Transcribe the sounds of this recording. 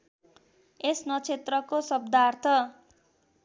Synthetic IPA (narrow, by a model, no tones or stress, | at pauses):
esnʌt͡sʰet̪rʌkosʌb̚d̪ʱart̪ʰʌ